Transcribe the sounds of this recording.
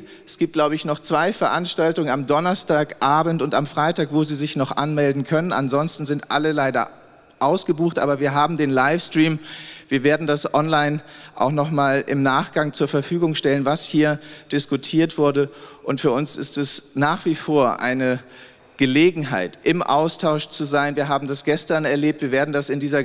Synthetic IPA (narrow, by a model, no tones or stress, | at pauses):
ʔɛsɡ̥iːp̚t̚laʊbəɪçnɔχt͡sv̥aɪfɛɐʔanʃtaltʊŋənamdɔnɐstaːkʔaːbn̩tʊntamfʁ̥aɪtaːkv̥oːziːzɪçnɔχʔa̰nmɛldn̩kʰœnəna̰nzɔnstn̩zɪntʔa̰ləlaɪdɐ̰ | ʔaʊsɡ̥əbuːxtʔa̰ːbɐviːɐɦaːbm̩deːnlaɪfstʁ̥iːmviːɐveːɐdn̩dasʔɔnlaɪnʔa̰ʊxnɔχmaːlʔɪ̰mnaːχɡ̥aŋt͡suːɐfɛɐfyːɡʊŋʃtɛlənvashiːɐd̥ɪskutʰiːɐtv̥ʊɐdəʔʊntfyːɐʊnsɪ̰stɛsnaːχv̥ifoːɐʔa̰ɪnə | ɡ̥əleːɡŋ̩ɦa̰ɪtʔɪmʔa̰ʊstʰaʊʃt͡suzaɪnviːɐɦaːbm̩dasɡ̥ɛstɐnɛɐleːp̚tviːɐveːɐdn̩dasɪndiːzɐ